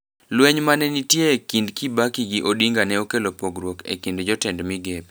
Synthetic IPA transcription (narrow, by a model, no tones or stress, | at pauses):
lwɛɲmanɛnitjeːkindkibakiɡiʔodiŋɡanɛokelopoɡɾwokḛkindd͡ʒɔtɛndmiɡep